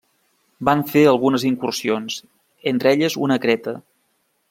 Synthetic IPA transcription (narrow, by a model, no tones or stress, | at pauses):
baɱfeəlˠɣunəziŋkursionz | ent̪ɾeʎəzṵnəkɾɛt̪ə